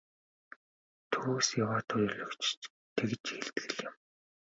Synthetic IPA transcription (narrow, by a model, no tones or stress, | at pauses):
t̪ʰuːsjawaːt̪ʰʊjɵɮɵ̆kt͡ɕ | t̪ʰekt͡ɕxeɮt̪ɡɘ̆ɮjɪ̆m